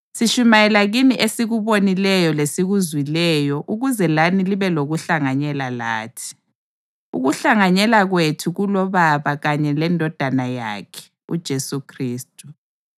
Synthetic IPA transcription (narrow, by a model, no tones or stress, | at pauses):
siʃumajɛlaɣiniʔesiɣuβonilɛjɔlesiɣuzwilɛjɔʔuɣuzɛlaniliβɛloɣuɬaŋaɲɛlala̰ːtʰi̥ | ṵɣuɬaŋaɲɛlaɣwetʰuɣulɔβaβaɣaɲɛlɛndʱɔd̥ʱanaja̰kʰɛ̥ | ṵd̥ʒ̥ʱesukʰriːstʼu